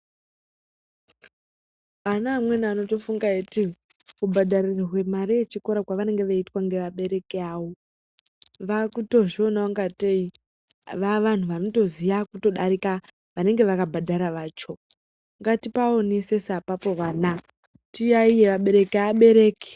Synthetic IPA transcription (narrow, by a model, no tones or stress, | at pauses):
anaːmwenano̞to̞fuŋɡaeti | kubʱadʱaririrwe̞maɾijet͡ʃiko̞ɾakwaʋane̞ŋɡeʋaitwaŋɡe̞ʋaɓe̞ɾe̞kiaːwo | ʋakuto̞ʐio̞naaŋɡatei | ʋaʋan̤uʋano̞to̞zijakuto̞ɗaɾika | ʋane̞ŋɡe̞ʋakabʱadʱaɾaʋaːt͡ʃo̞ | ŋɡatipaonisesapapo̞ʋaːna | tijaije̞ʋaɓe̞ɾe̞kaɓe̞ɾe̞ːki̥